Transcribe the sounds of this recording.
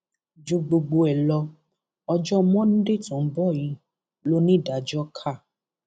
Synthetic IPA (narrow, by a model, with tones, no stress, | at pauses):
d͡ʒu˧˦ɡ͡bo˧ɡ͡bo˧ɛ˨lɔ˧ | ɔ˧d͡ʒɔ˦mɔ̃˦ñ̩˦de˦˨tũ˨˦bɔ˦˨ji˧˦ | lo˦nĩ˦˨da˨d͡ʒɔ˦kʰa˦˨